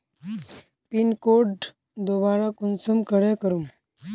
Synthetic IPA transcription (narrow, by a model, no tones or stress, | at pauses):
pinkoʈ | d̪obaɾakunsəmkəɽẽkəɾum